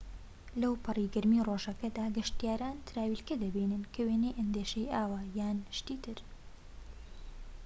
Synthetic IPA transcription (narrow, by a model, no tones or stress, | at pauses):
lɐwpʰɨriːɡɐɾmiːroʒɐkɐd̪aːɡɐʃt̪ijaːɾaːnt̪ʰɾaːwiːlkɐd̪ɐbiːnɨnkʰɐweːnejʔɐnd̪eːʃɐjʔaːwajaːnʃt̪iːt̪ʰɨɾ